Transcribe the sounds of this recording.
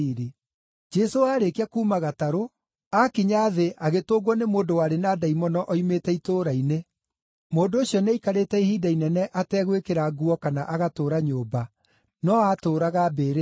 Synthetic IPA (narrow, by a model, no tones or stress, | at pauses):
ɾe | d͡ʒɛsoaːɾekiakuːmaɣataɾo | akiɲaðeʔaɣetoːɣwɔnemoːndowaɾenaːdaimɔnɔʔɔimetɛitoːɾaine | moːndooɕjɔneikaɾeːtɛiɦidainɛnɛʔatɛɣwekeɾaɡuɔkanaʔaɣatoːɾaɲoːba | nɔatoːɾaɣabeɾe